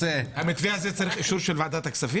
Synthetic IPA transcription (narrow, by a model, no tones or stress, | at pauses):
ehamit̪viaːzet͡saʁiχiʃuɾʃelvaad̪at̪aksavi